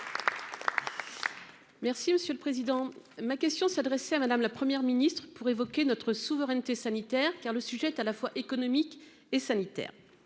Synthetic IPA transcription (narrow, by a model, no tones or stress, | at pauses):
mɛʁsiməsjøləpχezid̪ɑ̃makʲɛst̪jɔ̃sad̪ʁɛsɛamad̪amlapχəmjɛʁminist̪χəpuʁevɔkʲenɔt̪χəsuvəʁɛnt̪esanit̪ɛʁkaʁləsyʒɛːt̪alafwaʔekɔnɔmik | esanit̪ɛ̰ːʁ